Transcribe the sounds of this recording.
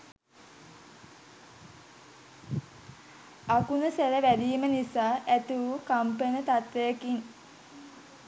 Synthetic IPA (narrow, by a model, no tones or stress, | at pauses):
akunəseləʋæd̪iːmənisaːʔæt̪uʋukampənət̪at̪ʋejəkiŋ